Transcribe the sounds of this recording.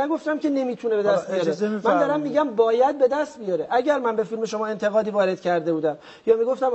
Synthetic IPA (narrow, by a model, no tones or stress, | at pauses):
æɡo̞ft̪æmcʰe̞ne̞miːt̪ʰune̞be̞d̪æst̪̚bijɒɾemænd̪ɒːɾæmːiːɟæmbɒːjæd̪̚be̞d̪æst̪bijɒːɾeʔæɟæɾmænbe̞filme̞ʃo̞mɒːe̞nt̪ʰe̞ɣɒːd̪iːvɒːɾe̞d̪̥cʰæɾd̪ebuːd̪æm | jɒːmiɡo̞ft̪æm